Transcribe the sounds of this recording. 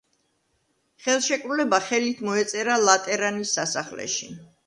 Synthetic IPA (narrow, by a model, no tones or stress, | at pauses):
χɛlˠʃɛkʼɾulɛbaχɛlit̪ʰmɔɛt̪sʼɛɾalˠat̪ʼɛɾanisːasaχlɛ̰ʃi